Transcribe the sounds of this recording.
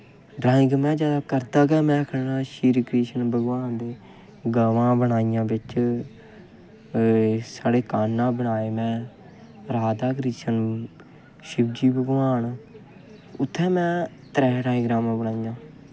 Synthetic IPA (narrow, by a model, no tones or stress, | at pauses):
ɖɾãːɪ̃ɡmɛ̃ːd͡ʒjaːd̪aːkəɾd̪aːɡɛːmɛ̃ːkʰnnãːʃiːɾkɾiːʃənbəɡʋaːnd̪eː | ɡaːʋãːbəɳaːijãːbɪt͡ʃ | saːɽeːkaːnːãːbəɳaːeːmɛ̃ː | ɾaːd̪aːkɾiːʃən | ʃɪbd͡ʒiːbəɡʋaːn | ʊt̪ʰːɛːmɛ̃ː | t̪ɾɛːʈãːɪ̃ɡɾaːmãːbəɽaːijãː